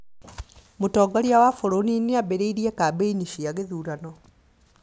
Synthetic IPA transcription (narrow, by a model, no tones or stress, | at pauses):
motɔːɡaɾjawafoɾonineaβeɾeiɾiɛkaːbeiniʃiaɣeðuɾanɔ